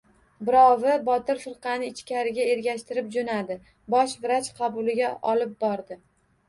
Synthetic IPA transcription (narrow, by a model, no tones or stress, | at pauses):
bɪɾɒvɪbɒt̪ɪɾfɪɾqʰɑnɪɪt͡ʃkʲaɾɪɡʲae̞ɾɡʲaʃt̪ɪɾɪp̚d͡ʒonad̪ɪ | bɒʃvɪɾat͡ʃqʰɑbʊlɪɡʲaʔɒlɪp̚bɒɾd̪ɪ